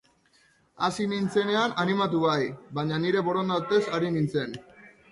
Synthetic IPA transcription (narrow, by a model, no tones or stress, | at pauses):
asinint͡se̞ne̞ananimat̪̬uβajbaɲaniɾe̞βo̞ɾond̪awt̪e̞saɾinint͡se̞n